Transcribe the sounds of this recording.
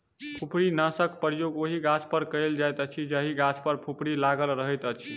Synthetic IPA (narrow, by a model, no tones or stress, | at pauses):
pʰupʰɾinasəkpəɾjoɡoɦiɡat͡ʃpəɾkəld͡ʒajt̪ət͡ʃʰid͡ʒəɦiɡat͡ʃpəɾpʰupʰɽilaɡəlɾəɦəjt̪ət͡ʃʰi